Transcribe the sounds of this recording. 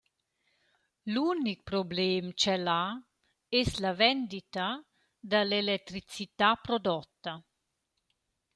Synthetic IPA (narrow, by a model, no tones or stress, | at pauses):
lunik̚pɾoblɛːmt͡ʃɛla | ɛslavɛnd̪it̪a | d̪alelɛt̪ɾit͡sit̪apɾod̪ɔt̪ːa